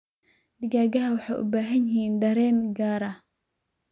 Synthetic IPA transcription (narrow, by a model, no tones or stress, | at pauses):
d̪ɪɡaːɡɐɦɐwɑħɑjʔʊ̰baːɦɐnjɪhiːnd̪ɐɾɛːnɡaːɾɐ